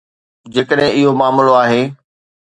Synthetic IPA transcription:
d͡ʑeːkəɗɦɪ̃ɪɦomaːmloaːɦeː

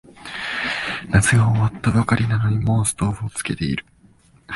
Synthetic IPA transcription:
nat͡sɨɡaːβat̪ːabakaɾʲinanoɲ̟imo̞sɨ̥t̪oːɸɯot͡sɨ̥ke̞t̪e̞ḭɾɯ̟̥

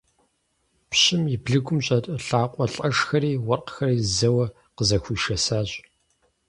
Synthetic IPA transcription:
pɕɪmibɮɨɡʷʊmɕʼɐtʼɐɬaːqʷʼɔɬʼɐʂxɐɾiːwɔrqxɐriːzɐwɐ | qəzɐxʷuːʃɐsaːɕ

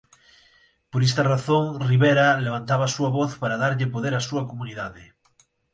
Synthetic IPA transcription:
poɾest̪araθoŋriβeɾaleβ̞ant̪aβasuaβoθpaɾaðaɾʎepoðeɾasuɐkomuniðaðe

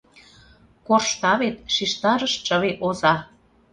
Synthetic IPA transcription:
korʃt̪ɑβet̪̚ʃiʃt̪ɑɾəʃt͡ʃə̆βeʔozɑ

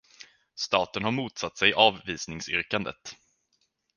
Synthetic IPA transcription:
st̪ɑːt̪ənhaɾmuːt̪sat̪ːsɛjʔɑːvviːsnɪŋsʏ̰ɾkand̪ə̰t̪

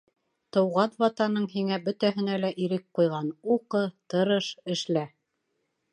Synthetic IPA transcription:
t̪ɤ̆wʁɑnwɑt̪ɑnɤɴɦiŋæbɵt̪æɦɘ̆nælæʔiɾɘk̚qujʁɑnuqɤt̪ɤ̆ɾɤʃɘ̆ʃlæ

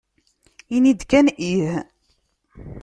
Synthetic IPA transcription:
inid̪kænʔih

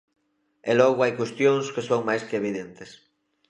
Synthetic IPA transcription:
elɔɣ̞oajkwest̪joŋskesoŋmajskeeβ̞iðent̪es

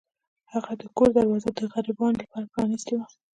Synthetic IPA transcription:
haɣad̪əkoɾd̪aɾwɑzad̪əɣaɾibɑnlapɑɾapɾɑnist̪ewa

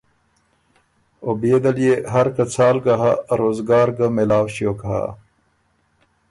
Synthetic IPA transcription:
objed̪ɐlijeɦɐɾkɐt͡sʰaːlɡɐɦa̰ɾoːzɡaːɾɡəmelaːwɕjoːkɐɦa̰

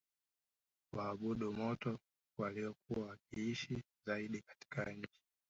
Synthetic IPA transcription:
waːɓuɗumɔtɔ | waliɔkuwawakiiʃi | zaiɗikḁti̥kaɲ̩t͡ʃi̥

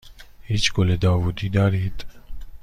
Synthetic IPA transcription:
hit͡ʃkoled̪aːwud̪id̪aːɾit̪

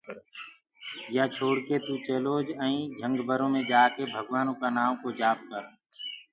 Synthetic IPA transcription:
jaːt͡ʃʰoːɽkeːt̪ũːt͡ʃeːloːd͡ʒəĩːd͡ʒʱə̃ŋɡbəɾõːmẽːd͡ʒaːkeːbʱəɡʋaːnõːkaːnaːmkoːd͡ʒaːb̚kəɾ

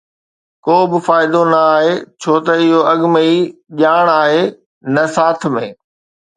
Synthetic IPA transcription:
koːbɪfaːɪd̪onɐaːɦeːt͡ɕʰoːt̪ɐɪɦoɐɠməiʄaːɽ̃aːɦeː | nɐsaːt̪ʰmẽː

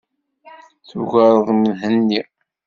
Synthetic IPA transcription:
θuɣəɾˤəðˤmənɦənːi

